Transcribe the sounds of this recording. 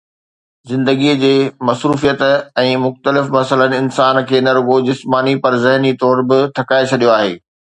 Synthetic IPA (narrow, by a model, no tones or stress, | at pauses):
zɪ̃nd̪əɡid͡ʑeːmɐsɾuːfijət̪ɛ̃ːmʊxt̪əlɪfmɐsələnɪ̆ɪnsaːnkʰeːnɐɾʊɡod͡ʑɪsmaːnipɐɾzɪɦnit̪ɔːɾbɪt̪ʰɐkaːet͡ɕʰɐɗijoaːɦḛː